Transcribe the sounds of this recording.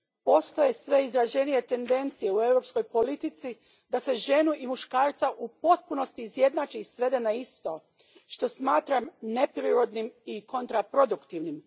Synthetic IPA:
po̞st̪oje̞sʋe̞izɾad͡ʒe̞nije̞t̪e̞nd̪e̞nt̪sije̞ue̞wɾo̞psko̞jpo̞lit̪it̪si | d̪ase̞ʒe̞nuʔimuʃkaːɾt̪saʔupo̞t̪̚puno̞st̪iːzje̞d̪naːt͡ʃiːsʋe̞d̪e̞naist̪o̞ | ʃt̪o̞smaːt̪ɾamne̞pɾiɾo̞d̪nimiko̞nt̪ɾapɾo̞d̪ukt̪iʋnim

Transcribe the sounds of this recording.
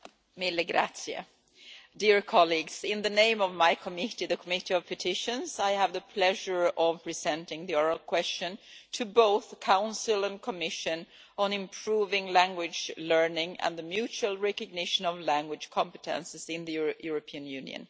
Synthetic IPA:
mɪlɨɡɾa̰tsiə̰ | dɪɹkʰɑliɡz̥ɪ̃nðɨnẽɪ̃mʌvmaɪkʰəmɪɾiðɨkʰəmɪɾiʌv̥pʰɨtʰɪʃɨ̃nzaɪəvðəpʰl̥ɛʒə˞ʌv̥pʰɹ̥ɪzɛ̃ntɪ̃ŋðiɔɹəlˠkʰw̥ɛst͡ʃɨ̃ntʰɨboʊθkʰãʊ̃nsəl̩ˠə̃nkʰəmɪʃɨ̃n | ə̃nɪ̃mpʰɹ̥uvɪ̃ŋlæ̃ŋɡwɪd͡ʒlɜ˞nɪ̃ŋə̰̃nðɨmjʉt͡ʃʉəl̩ˠɹɛkɨɡ̚nɪʃə̃nʌvlæ̃ŋɡwɨ̥ʒ̥kʰɑ̃mpətʰɛ̰̃nsɨzɪ̃nðɨjɹəjuɹəpʰiɨ̃njʉ̃nj̰ɨ̰̃n

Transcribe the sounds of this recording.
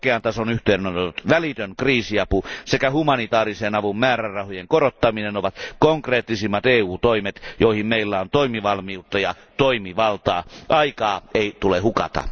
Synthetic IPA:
keɑnt̪ɑsonyht̪eˑinnot̪et̪ut̪ʋælit̪øŋkriːsiɑpusekæhumɑnit̪ɑːriseːnɑʋummæːrærrɑhojeŋkorot̪ːɑminenoʋɑt̪koŋkreːt̪ːisimːɑt̪eːuːt̪oimet̪joˑihimmeilːæont̪oimiʋɑlmiut̪ːɑjɑ | t̪oimiʋɑlt̪ɑːʔɑikɑːeˑit̪ulehukɑ̰t̪ɑ̰

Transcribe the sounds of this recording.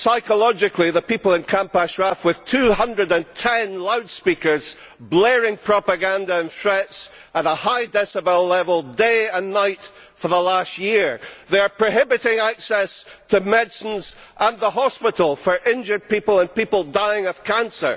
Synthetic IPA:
saɪkəlˠɔd͡ʒɪkʰlˠiðəpipəl̩ˠɪ̃nkʰãmpaʃɹafwɪð̥tʰʉhʌ̃ndɹədə̃ntʰɛ̃nlˠaʊd̥spikə˞z̥ | blɛɹɪ̃ŋpʰɹ̥ɔpəɡãndəɪ̃nθɹɛts | əɾəhaɪdɛsəbɛlɛvəlˠdeɪə̃nːaɪt | fə˞ðəlˠast̚jiɹðeə˞pʰɹ̥ɨɦɪbɨʔɪ̃ŋaksɛstʰəmɛdsə̃n̩z | ʔə̃nðəɦɔspɪʔl̩ˠfə˞ʔɪ̃nd͡ʒə˞d̚pipəl̩ˠə̃npipəl̩ˠdaɪɪ̃ŋəv̥kʰãnsə̰˞

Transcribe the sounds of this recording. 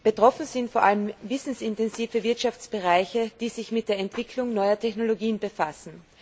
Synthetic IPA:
b̥ətʁ̥ɔfn̩zɪntfoːɐʔaləmvɪsn̩sɪntɛnziːfəvɪɐtʃaft͡sb̥əʁaɪçəd̥iːzɪçmɪt̚d̥eːɐɛntv̥ɪkʰlʊŋnɔʏɐtʰɛçnoloɡiːənbəfasn̩

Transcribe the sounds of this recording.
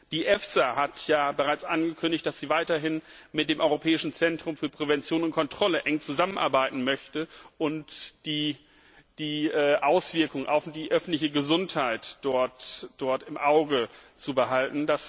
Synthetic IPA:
d̥iːʔɛfsahatʰjaːbəʁaɪt͡sʔanɡəkʰʏndɪçt̚d̥asz̥iːvaɪtɐɦɪnmɪt̚d̥eːmʔɔʏʁopʰɛːɪʃn̩t͡sɛntʁ̥ʊmfyːɐpʁ̥ɛvɛnt͡sjoːnʊnt̚kʰɔntʁ̥ɔləʔɛŋt͡suzamənʔa̰ɐbaɪtn̩mœçtəʔʊntd̥iː | d̥iːɛːʔaʊsv̥ɪɐkʊŋʔa̰ʊfd̥iːʔœfn̩tlɪçəɡəzʊnthaɪtd̥ɔɐtd̥ɔɐtɪmʔaʊɡət͡subəɦaltn̩das

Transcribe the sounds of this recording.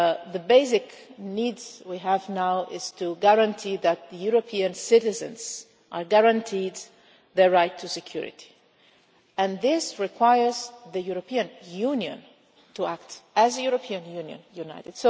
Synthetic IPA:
ðəbeɪs̬ɪknidwiɦəvnaʊʔɪz̥tʰuɡæɹãntʰiðæt̪̚ðəjuɹopʰiɨ̃nsɪɾɨzɨ̰̃nz̥ | ʔəɡæɹãntʰid̪ | ðə˞ɹaɪtʰːusɨkʰj̥ṵɹɪ̰tʰi̥ | ɨ̃nðɪsɹɪkʰw̥aɪə˞zðɨjuɹopʰiɨ̃njũnjɨ̰̃n | tʰuæk̚tɨzɨjuɹəpʰiɨ̃njũnjɨ̰̃njunaɪɾɨd̥so

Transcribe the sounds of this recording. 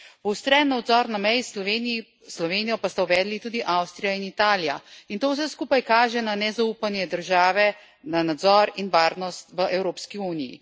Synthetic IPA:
uwst̪ɾɛnːɔɔd̪zɔɾnamɛjsen | slɔʋeːnijɔpast̪awʋɛːd̪lit̪uːd̪iʔawst̪ɾijainit̪aːlijaint̪oːws̬ɛskuːpajkaːʒɛnanɛzauːpanjɛd̪əɾʒaːʋɛ | nanad̪zɔɾinʋaːɾnɔst̪ʋəʔɛwɾoːpskiuːnijḭ

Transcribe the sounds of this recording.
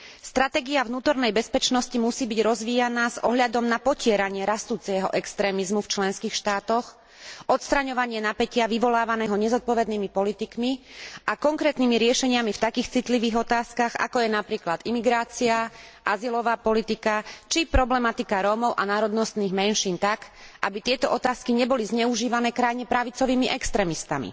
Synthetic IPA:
st̪ɾat̪ɛːɡiavnuːt̪ɔɾnɛjbɛspɛt͡ʃnɔscimusiːbiɟɾɔzʋiːjanaːz̥ɔɦʎad̪ɔmnapɔcɪɛɾaɲɪɛɾast̪uːt͡sɛɦɔ̰ʔɛkst̪ɾɛːmizmuft͡ʃlɛnskiːxʃt̪aːt̪ɔx | ʔɔt̪st̪ɾaɲɔʋaɲɪɛnapɛcɪaʋiʋɔlaːʋanɛːɦɔɲɛzɔt̪̚pɔʋɛd̪niːmipɔlit̪ikmiʔakɔŋkɾɛːt̪niːmiɾɪɛʃɛɲɪamift̪akiːxt͡sit̪liʋiːɣɔt̪aːskaɣa̰kɔjɛnapɾiːklad̪imiɡɾaːt͡siaʔazilɔʋaːpɔlit̪ikat͡ʃipɾɔblɛmat̪ikaɾɔːmɔʊʔanaːɾɔd̪nɔst̪niːɣmɛnʃiːnt̪akʔabit̪ɪɛt̪ɔʔɔt̪aːskiɲɛbɔlizɲɛuʒiːʋanɛːkɾajɲɛpɾaʋit͡sɔʋiːmiʔɛkst̪ɾɛːmist̪a̰mḭ

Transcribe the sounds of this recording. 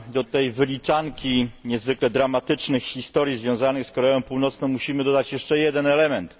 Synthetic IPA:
d̪ɔt̪ɛjvɘlʲit͡ʂaŋkʲiɲɛzvɘklɛd̪ɾamat̪ɘt͡ʂnɘxxʲist̪ɔɾʲjizvʲjɔ̃w̃zanɘxskɔɾɛjɔ̃w̃puwnɔt̪snɔ̃w̃muɕimɘd̪ɔd̪at͡ɕjɛʂt͡ʂɛjɛd̪ɛnɛlɛmɛnt̪

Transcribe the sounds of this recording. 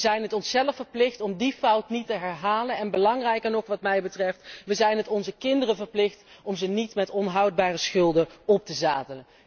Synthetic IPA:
zɛjnɦətɔnsɛləfəɹplɪχtɔmdifɑwtnitəɦɛɹɦaːlənɛnbəlɑŋrɛjkəɹnɔχʋɑtmɛjbətrɛftʋəzɛjnɦətɔnzəkɪndərəvəɹplɪχtɔmzənitmɛtɔnɦɑwd̚baːrəsχɵlˠdəɔp̚təzaːdələn

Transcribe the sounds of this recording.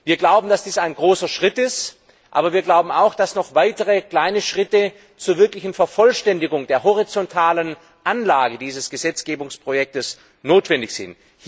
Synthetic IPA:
viːɐɡlaʊbm̩dasd̥iːsaɪnɡʁoːsɐʃʁ̥ɪtɪst | ʔaːbɐviːɐɡlaʊbm̩a̰ʊxd̥asnɔχv̥aɪtəʁəkl̥aɪnəʃʁ̥ɪtə | t͡suːɐvɪɐklɪçn̩fɛɐfɔlʃtɛndɪɡʊŋdeːɐɦɔʁ̞it͡sɔntʰaːlən | ʔanlaːɡədiːzəsɡ̥əzɛt͡sɡ̥eːbʊŋspʁ̥ojɛk̚təs | noːtv̥ɛndɪçz̥ɪ̰nt | h

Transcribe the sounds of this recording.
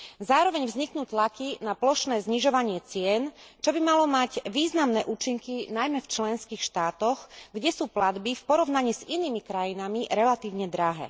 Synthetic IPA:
zaːɾɔʋɛɲvzɲiknuːt̪lakinaplɔʃnɛːzɲiʒɔʋaɲɪɛt͡sɪɛnt͡ʃɔbimalɔmaɟʋiːznamnɛːʔuːt͡ʃiŋkinajmɛft͡ʃlɛnskiːxʃt̪aːt̪ɔxɡɟɛsuːplad̪bifpɔɾɔʊnaɲiːz̥iniːmikɾajinamiɾɛlat̪iːʊɲɛd̪ɾaɦɛ̰ː

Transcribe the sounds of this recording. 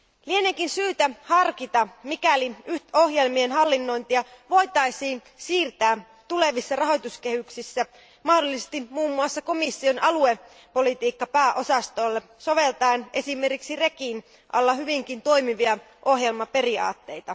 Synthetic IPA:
lienekinsyːt̪æhɑrkit̪ɑmikæliyht̪o̞hje̞lmienɦɑlːinːo̞jnt̪iɑʋo̞jt̪ɑisiːn | siːrt̪æː | t̪ule̞ʋisːɑrɑɦo̞jt̪uskehyksisːæ | mɑhdolːisest̪imuːmːuɑsːɑko̞misːio̞nɑlue̞ | po̞lit̪iːkːɑpæːʔo̞sɑst̪o̞lːeso̞ʋe̞lt̪ɑinʔe̞sime̞rkiksirekin | ʔɑ̰lːɑhyʋiŋkint̪o̞jmiʋiɑ | ʔohje̞lmɑpe̞riɑ̰ːt̪ːe̞jt̪ɑ

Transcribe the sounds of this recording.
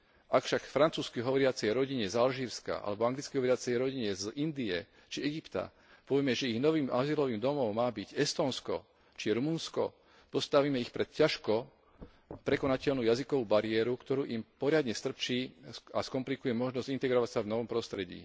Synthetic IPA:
ʔakfʃakfɾant͡suːskiɦɔʋɔɾɪat͡sɛjɾɔɟiɲɛzalʒiːɾska̰ʔa̰lɛbɔaŋɡlit͡skiɦɔʋɔɾɪat͡sɛjɾɔɟiɲɛzind̪iɛ | t͡ʃiɛɡipt̪a̰ | pɔʋjɛmɛʒɛiɣnɔʋiːmʔaziːlɔʋiːmd̪ɔmɔʊmaːbiɟɛst̪ɔːnskɔ̰ | t͡ʃiɛɾumunskɔ̰ | pɔst̪aʋiːmɛixpɾɛt̪caʃkɔ | pɾɛkɔnacɛʎnuːjazikɔʋuːbaɾɪɛːɾukt̪ɔɾuːʔimpɔɾɪad̪ɲɛst̪r̩pt͡ʃiːaskɔmplikujɛmɔʒnɔzɟint̪ɛɡɾɔʋacsavnɔʋɔmpɾɔst̪ɾɛɟḭː

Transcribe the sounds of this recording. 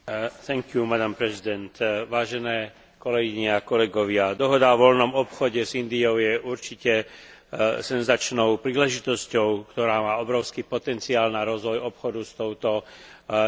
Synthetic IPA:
θɛŋkjumad̪ampɾɛzid̪ɛnt̪ʋaːʒɛnɛː | kɔlɛɡiɲɛakɔlɛɡɔʋɪad̪ɔɦɔd̪aɔʋɔlnɔmɔpxɔɟɛzind̪iɔʊjɛʔuɾt͡ʃicɛ | sɛnzat͡ʃnɔʊpɾiːlɛʒit̪ɔscɔʊkt̪ɔɾaːmaːɔbɾɔʊskiːpɔt̪ɛnt͡siaːlnaɾɔzʋɔjɔpxɔd̪ust̪ɔʊt̪ɔ

